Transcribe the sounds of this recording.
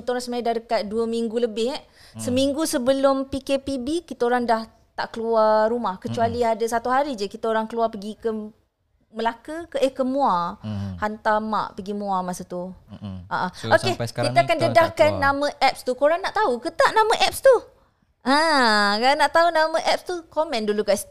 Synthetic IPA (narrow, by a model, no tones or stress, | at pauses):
kit̪aoɾaŋsəmajadahdəkat̪̚duəmiŋɡuləbɪɦɛ | səmiŋɡusəbəlʊmpikepibikit̪aoɾaŋdah | t̪a̰ʔkəluaɾumahkət͡ʃualiadasat̪uɦaɾid͡ʒəkit̪aoɾaŋkəluapəɡikə | məlakəkəʔəhkəmũahant̪ama̰ʔpəɡimũamasət̪uʔaʔaokekit̪aakandədahkanːamə̃ʔɛp̚st̪ukoɾaŋnaʔt̪aukət̪aʔnamə̃ʔɛp̚st̪u | ʔãkanaʔt̪aunamə̃ʔɛp̚st̪ukomɛ̃nduluɡajs